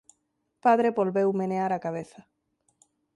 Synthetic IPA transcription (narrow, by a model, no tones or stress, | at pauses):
paðɾeβolβewmeneaɾakaβ̞eθa